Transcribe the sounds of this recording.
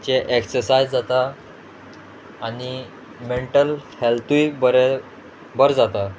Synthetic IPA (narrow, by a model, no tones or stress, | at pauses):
t͡ɕeʔeksəɾsajd͡zd͡zat̪a | ni | meɳʈəlhelt̪ujbəɾ | bəɾd͡zat̪a